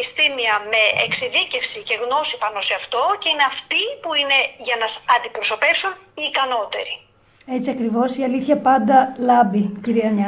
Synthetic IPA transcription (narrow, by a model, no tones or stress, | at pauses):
ist̪imiɐme̞ḛksiðice̞fsice̞ɣno̞sipɐno̞se̞ɐft̪o̞ce̞ine̞ɐft̪ipuine̞ʝɐnɐsɐnd̪ipɾo̞so̞pe̞fsun | iːkɐno̞t̪e̞̰ɾi | e̞t͡siɐkɾivo̞siɐliθçɐpɐnd̪ɐlɐbiciɾiɐɲɐ